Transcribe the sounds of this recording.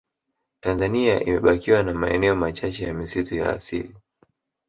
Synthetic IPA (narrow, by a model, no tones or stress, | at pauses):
tanzaniaʔḭmɛɓakiwanamaɛnɛɔmat͡ʃat͡ʃɛjamisituja̰ːsḭli